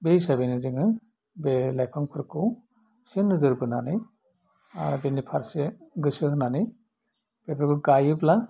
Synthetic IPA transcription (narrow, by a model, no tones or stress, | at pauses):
bejsabenɯziŋɯ | belajpʰaŋpʰɯɾkʰɯw | sinːɯzɯɾbɯnanɯj | a̰ɾbenipʰaɾseɡɯsɯhnanɯj | b̥epʰeɾkɯɡajɯbla